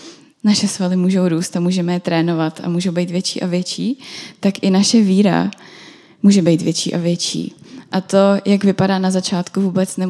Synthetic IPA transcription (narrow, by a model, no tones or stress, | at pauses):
naʃɛsvalɪmuːʒo̞wɾuːst̪amuːʒɛmɛjt̪ɾɛːno̞vat̪a̰muːʒo̞wbɛjt̪vjɛt͡ʃḭːʔavjɛt͡ʃiːt̪akʔɪnaʃɛviːɾa̰ | muːʒɛbɛjt̪vjɛt͡ʃḭːʔavjɛt͡ʃḭːʔat̪o̞jakvɪpadaːnazat͡ʃaːt̪kuvuːbɛt͡snɛ